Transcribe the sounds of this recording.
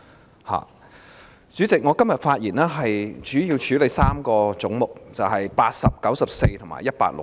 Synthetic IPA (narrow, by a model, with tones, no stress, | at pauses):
ha̰ː˨˩ | t͡syː˨˥t͡sɪ˨k̚ŋɔː˨˧kɐ˥mjɐ˨t̚faː˧t̚jiː˨˩nɛː˥ɦɐ˨jt͡ʃyː˨˥ji˧wt͡ʃʰyː˨˥le˨˧jsaː˥mkɔː˧t͡sʊ˨˥ŋmʊ˨k̚t͡sɐ˨wɦɐ˨jpaː˧t̚sɐ˨p̚kɐ˨˥wsɐ˨p̚se˧jt̪ʰʊ˨˩ŋma̰ː˨˩jɐ˥t̚pa̰ː˧t̚lʊ̰˨